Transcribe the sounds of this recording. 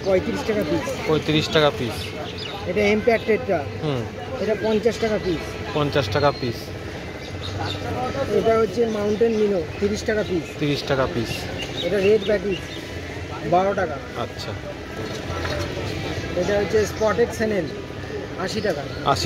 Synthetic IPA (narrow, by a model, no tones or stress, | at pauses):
kɔjt̪iɾiʃʈakapispɔjt̪iɾiʃʈakapis | eʈaempak̚ʈɾeʈːa | ɦ | eʈapɔnt͡ɕaʃʈakapis | pɔnt͡ɕaʃʈakapis | eʈaɦotːɕʰemawɳʈenminot̪iɾiʃʈakapist̪iɾiʃʈakapis | eʈaɾeɖbɛʈis | baɾoʈaka | a̰tːɕʰa̰ | eʈaɦotːɕʰespɔʈeʈsʰɛnel | aʃiʈaka | a̰ʃi